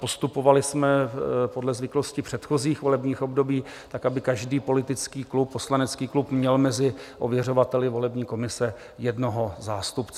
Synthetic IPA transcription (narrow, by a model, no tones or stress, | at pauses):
po̞st̪upo̞valɪsmɛpo̞dlɛzvɪkloscɪpr̝̥ɛt̪xo̞ziːxvo̞lɛbɲiːxo̞bdo̞biː | t̪akabɪkaʒdiːpo̞lɪt̪ɪt͡skiːklupːo̞slanɛt͡skiːklupmɲɛlmɛzɪʔovjɛro̞vat̪ɛlɪvo̞lɛbɲiːko̞mɪsɛ | jɛdno̞ɦo̞zaːst̪upt͡s